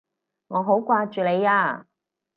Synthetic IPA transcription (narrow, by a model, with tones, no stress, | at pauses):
ŋɔː˨˧ɦo˨˥wkʷaː˧t͡ʃyː˨le˨˧jaː˧